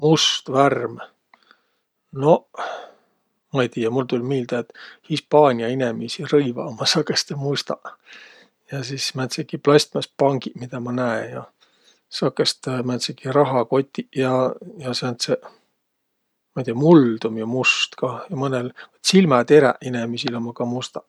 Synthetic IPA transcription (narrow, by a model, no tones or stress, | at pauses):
must̪værm | no̞ | mɑejt̪iːjːɑmult̪ulʲmiːld̪̥ɑet̪hispɑːnʲiɑinemisirɤjvɑ̰mɑsɑkest̪emust̪ɑ | jɑsismænt̪sekiplɑsʲt̪mɑspɑŋɡimid̪̥ɑmɑnæejɑ | sɑkest̪emænt̪sekiɾɑɦɑko̞t̪ʲːˑijɑjɑsnt̪se | mɑt̪ʲiɑmuld̪̥umjɑmust̪kɑjɑmɤnelvɑt̪silmɑt̪eɾɛ̰ʔinemisilomːɑkɑmust̪ɑ̥